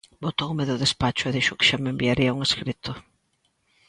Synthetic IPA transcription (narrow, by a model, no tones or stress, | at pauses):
bot̪owmɪðʊðespat͡ʃʊeðiʃʊkɪ̥ʃamembiaɾiauŋeskɾit̪ʊ